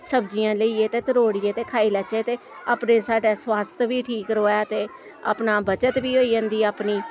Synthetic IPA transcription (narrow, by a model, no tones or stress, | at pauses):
səbd͡ʒijãːləiːeːt̪eːt̪əɾoːɽieːt̪eːkʰaːiːlət͡ʃeːt̪eː | aːpneːsaːɖeːswaːst̪ʰʋiːʈʰiːkɾoːaːt̪eː | a̰ːpnaːbət͡ʃət̪ʋiːɦoːiːãːnd̪iːaːpniː